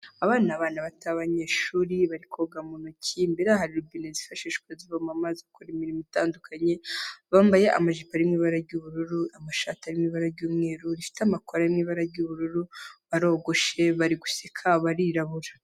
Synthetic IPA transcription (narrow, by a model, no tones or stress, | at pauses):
aβaːnaβaːnaβataβaɲe̞ːʃuːɾiβaɾikʰoɡamunucʰimbeɾahaɾiɾubinezifaʃiʃkwaziβamamazakoɾimiɾimitaːndukʰaɲe̞βaːmbajeʔa̰maʒipaɾimŋiːβaɾaɾɟuβuɾuɾuamaʃataɾimŋiːβaɾaɾɟuːmŋe̞ːɾuɾifi̥tamakoɾajimŋiːβaɾaɾɟuβuɾuɾuβaɾo̞ːɡo̞ʃe̞βaɾiɡusekʰaβaɾiɾaβuɾḁ